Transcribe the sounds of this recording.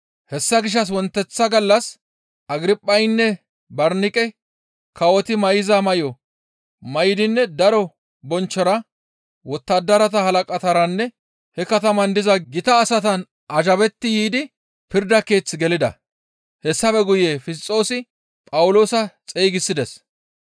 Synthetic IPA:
hɛsːɐɡɪʃ̬ːɐs̬wɔnt̪ːɛt͡sːɐɡɐlːɐs | ʔɐɡɪɾɪpʼːɐjnːɛ | bɐɾnɪkʼɛ | kʰɐwɔt̪ɪmɐjɪzɐmɐjɔ | mɐjɪd̪ɪnːɛd̪ɐɾɔ | bɔnt͡ʃːɔɾɐ | wɔt̪ːɐd̪ːɐɾɐt̪ɐhɐlɐkʼɐt̪ɐɾɐnːɛ | hɛkɐt̪ɐmɐnd̪ɪzɐɡɪt̪ɐːsɐt̪ɐn | ʔɐʒɐβɛt̪ːɪjiːd̪ɪ | pɪɾd̪ɐke̞ːt͡sːɪɡɛlɪd̪ɐ̰ | hɛsːɐfɛɡʊjeːfɪs̬t͡sʼːo̞ːsɪ | pʼɐwʊlo̞ːsɐt͡sʼeːɡɪsːɪd̪ɛs

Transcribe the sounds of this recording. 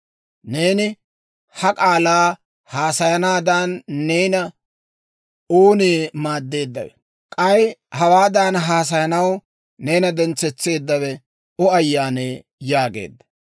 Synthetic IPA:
ne̞ːnɪ | hɐkʼaːlaː | haːsɐjɐnaːd̪anːe̞ːnɐ | oːneːmaːd̪ːe̞ːd̪ːɐ̰wɛ̰ | kʼɐjhɐwaːd̪aːnɦaːs̬ɐjɐnɐw | ne̞ːnɐd̪ɛnt͡sɛt͡sːe̞ːd̪ːɐβɛ | ɔɐjːaːneː | jaːɡe̞̰ːd̪ːɐ̥

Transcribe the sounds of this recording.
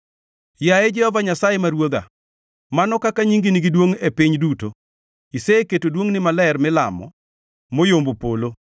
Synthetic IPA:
jaɛd͡ʒɛhɔvaɲasajemaɾwod̪a̰ | manɔkakaɲiŋɡiniɡidwoŋepiɲduto | iseketodwoŋnɪmalɛrmɪla̰mɔ̰ | mojombopolo

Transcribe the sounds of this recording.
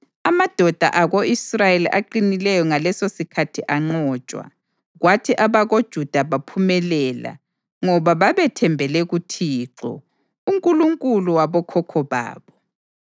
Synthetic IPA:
amad̥ʱɔd̥ʱa̰ʔaɣoisrajeliʔaǃinilɛjɔŋalɛsosikʰatʰiʔaŋ͡ǀɔːt͡ʃʼwa̰ | ɣwatʰiʔaβaɣod̥ʒ̥ʱud̥ʱaβapʰumɛlɛːla̰ | ŋɔβaβaβɛtʰɛmbʱɛlɛɣutʰiːǁɔ̰ | uŋkʼuluŋkʼuluwaβɔkʰɔkʰɔβa̰ːβɔ

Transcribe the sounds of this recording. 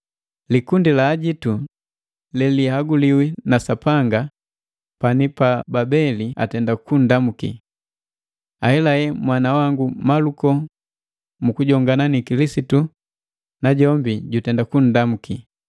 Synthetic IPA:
likundilaːɟitu | lɛlihaɡuliwinasapaŋɡa | panipababɛlia̰tɛndakun̩damukḭ | ahɛlajɛmwanawaŋɡumalukɔ | mukuɟɔŋɡananikilisitu | naɟɔmbiɟutɛndakun̩damuki

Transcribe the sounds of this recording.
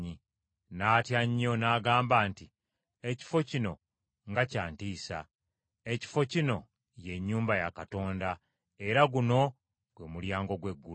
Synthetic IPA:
i | naːtjaɲːo̞naːɡaːmbaːnti | e̞ci̥fo̞cino̞ | ŋɡacaːntiːsa̰ | e̞ci̥fo̞cino̞ | je̞ɲːuːmbajakato̞ːnda | e̞ɾaɡuno̞ | ɡ̥wemuljaːŋɡo̞ɡwe̞ɡːu

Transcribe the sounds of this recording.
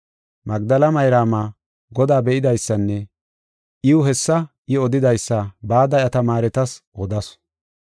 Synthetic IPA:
mɐɡd̪ɐlɐmɐjɾaːmaː | ɡɔd̪aːbɛʔɪd̪ɐjsːɐnːɛ | ʔɪwʊɦɛsːɐʔɪɔd̪ɪd̪ɐjsːɐbaːd̪ɐjɐt̪ɐmaːɾɛt̪ɐsʔɔd̪ɐs

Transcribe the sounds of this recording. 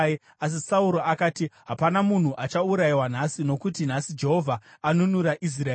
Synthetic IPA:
as̬isauɾo̞ʔakaːtiɦapanamun̤uʔat͡ʃauɾajiwan̤asino̞kutin̤asid͡ʒe̞ɦo̞vʱaːnunuɾaʔis̬ra

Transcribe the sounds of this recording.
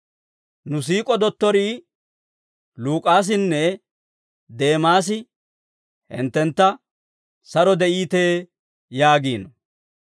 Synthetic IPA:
nʊs̬iːkʼɔd̪ɔt̪ːɔɾiː | luːkʼaːs̬ɪnːɛ | d̪e̞ːmaːs̬ɪ | hɪ̰nt̪ːɛnt̪ːɐ | sɐɾɔd̪ɛʔiːt̪eː | jaːɡiːnɔ

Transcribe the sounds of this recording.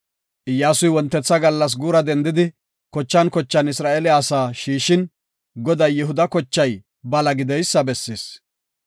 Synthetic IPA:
ʔɪjːaːsʊjwɔnt̪ːɛt͡sːɐɡɐlːɐs̬ɡuːɾɐd̪ɛnd̪ɪd̪ɪ | kɔt͡ʃːɐnkɔt͡ʃːɐnɪsɾaːʔɛlɪaːsaːʃiːʃɪn | ɡɔd̪ɐjːɛɦʊd̪ɐkɔt͡ʃːɐj | bɐlɐɡɪd̪ɛjsːɐbɛsːeːs

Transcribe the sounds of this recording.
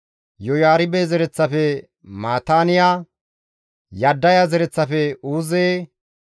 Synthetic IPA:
jɔjaːɾɪbeːzɛɾɛt͡sːɐfɛ | maːt̪aːnɪja | jɐd̪ːɐjazɛɾɛt͡sːɐfɛuːzeː

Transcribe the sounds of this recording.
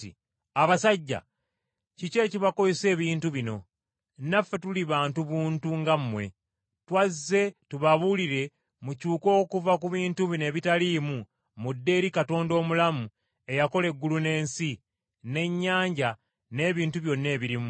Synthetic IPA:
i | aβasaɟːa̰ | cice̞ːciβako̞jese̞ːβiːntuβino̞ | nafːe̞tuliβaːntuβuːntuŋɡamːwe̞̰ | twazːe̞tuβaβuliɾe̞ | mucuːko̞ːkuvakuβiːntuβine̞ːβitaliːmu | mudːe̞ːɾikato̞ːndo̞ːmulamu | e̞jako̞le̞ɡːulune̞ːnsi | ne̞ɲːaːɲɟa | ne̞ːβiːntuβjo̞nːe̞ːβiɾimu

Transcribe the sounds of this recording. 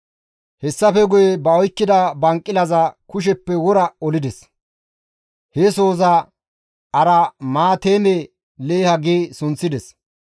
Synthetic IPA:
hɛsːɐfɛɡʊjɛbɐɔjkːɪd̪ɐbɐŋkʼːɪlɐzɐkʊʃ̬ɛpːɛwɔɾɐɔlɪd̪ɛs | heso̞ːzɐ | ɐɾɐmaːt̪eːme | leːhɐɡeːsʊnt͡sːɪd̪ɛs

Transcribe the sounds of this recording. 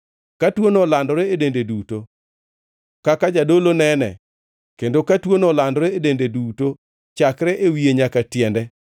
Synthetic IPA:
katwonolandɔɾeedendeduto | kakad͡ʒadolonɛnɛ̰ | kendokatwonolandɔɾɛedendeduto | t͡ʃakɾɛʔewieɲakatjɛndɛ

